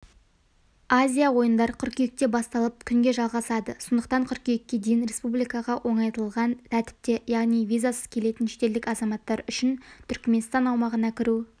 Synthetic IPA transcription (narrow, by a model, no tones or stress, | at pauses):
azʲijawo̞jənd̪ɑɾkʲʰʏɾkʲejɪk̚t̪e̞bɑst̪ɑlˠəp̚kʲʰʏŋɡʲe̞ʒɑlˠʁɑsɑd̪əsʰond̪əq̚t̪ɑɴqʰʏɾkʲejɪkʲːe̞d̪ejɪnɾe̞spublijkɑʁɑwʔo̞ɴɑjt̪əlˠʁɑnt̪ʰæt̪ɪ̥p̚t̪e̞jɑʁnijvʲijzasə̥z̥kʲʰe̞le̞t̪ɪnʃet̪e̞ld̪ɪkɑzɑmɑt̪ːɑɾʏʃɪnt̪ʰʏɾkme̞nst̪ɑnɑwmɑʁənɑkʲʰɪɾu